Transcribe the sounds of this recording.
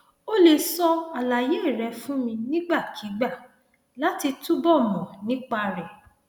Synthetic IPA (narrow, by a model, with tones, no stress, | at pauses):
o˦le˧˨sɔ˧a˨la˨je˨˦˨ɾɛ˨˧fũ˦mĩ˧nĩ˦ɡ͡ba˦˨kʰi˨˦ɡ͡ba˦˨ | la˨˦ti˧tu˦bɔ˦˨mɔ̃˨nĩ˦k͡pa˧ɾɛ˨